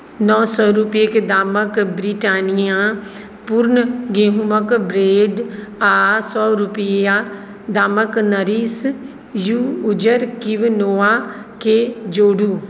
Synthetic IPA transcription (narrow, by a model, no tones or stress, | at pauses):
nɔːsɔːɾupjeked̪aːməkbɾiʈaːnijã | pʊɾnəɡeːɦuməkbɾeːɖaːsɔːɾupja | d̪aːməknɐɾiːs | juːd͡ʒəɾkiʋnoːaked͡ʒoːɽuː